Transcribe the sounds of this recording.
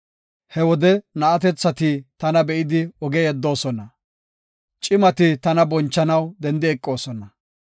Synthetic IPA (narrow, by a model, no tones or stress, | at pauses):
hɛwɔd̪ɛnɐʔɐt̪ɛt͡sːɐt̪iːt̪ɐnɐbɛʔɪd̪ɪɔɡɛjɛd̪ːo̞ːsɔnɐ | t͡ʃʼɪmɐt̪ɪt̪ɐnɐbɔnt͡ʃːɐnɐwd̪ɛnd̪ɪɛkʼːo̞ːsɔnɐ